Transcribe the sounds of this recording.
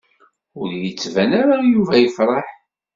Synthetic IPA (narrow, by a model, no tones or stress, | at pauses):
ʊɾjət͡sːvænaɾajuvæjəfɾˤɑħ